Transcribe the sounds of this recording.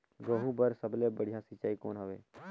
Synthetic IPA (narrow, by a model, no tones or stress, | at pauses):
ɡəɦũbəɾsəblebəɽ̤ijãsɪt͡ʃaːikoːnɦəʋḛː